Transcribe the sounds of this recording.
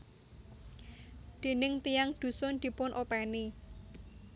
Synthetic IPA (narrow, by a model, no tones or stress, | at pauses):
d̪̥i̤nɪŋt̪ijaŋd̪̥ṳsʊnd̪̥i̤pʊnʔopɛni